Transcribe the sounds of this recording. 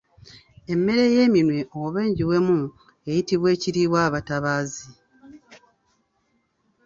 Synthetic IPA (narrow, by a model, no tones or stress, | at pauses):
e̞mːe̞ɾe̞je̞ːminwe̞ʔowoβeːɲɟiwe̞mu | ejitiβwe̞ːciɾiβwaːβataβaːzi